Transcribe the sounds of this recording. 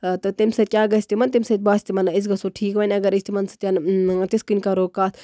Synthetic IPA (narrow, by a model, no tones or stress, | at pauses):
t̪ɨt̪imsɐkʲaːɡɐsʲt̪imɐnt̪imsɐt̪̚baːsʲt̪imɐnais̬ɡɐsoʈʰiːkʋɐnʲɐɡɐɾist̪imɐnsɐ̥t̪ʲant̪iskinʲkaɾoːkaːt̪ʰ